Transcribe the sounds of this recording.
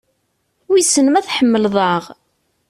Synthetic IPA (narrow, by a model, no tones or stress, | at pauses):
wisənəmæθħəmːəlðˤɑʁ